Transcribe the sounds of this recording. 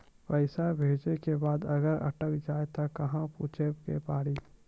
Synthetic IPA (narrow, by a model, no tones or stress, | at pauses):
pəɪsabʱeːd͡ʒnekebaːd̪ɐɡəɾɐ̰ʈəkd͡ʒaːet̪akɐɦãpuːt͡ʃʰekepaːɽiː